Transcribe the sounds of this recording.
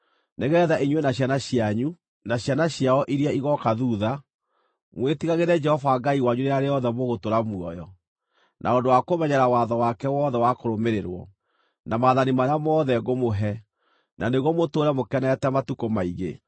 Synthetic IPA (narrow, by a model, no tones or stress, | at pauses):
neɣɛðaʔiɲwenaɕ̬janaɕiaɲu | naɕjanaɕjaɔʔiɾiaiɣɔkaðuːða | mwetiɣaɣeɾɛd͡ʒɛhɔvaːɡaiwaɲuneaɾeɔðɛmoɣotoɾamuɔ̰jɔ | nʔa̰ondowakomɛɲɛɾawaðɔwakɛwɔðɛwakoɾomeɾeɾwɔ̰ | namaðanimaɾeamɔðɛɡomoɦɛ | naneɣwɔmotoːɾɛmokɛnɛtɛmatukomaiɣḛ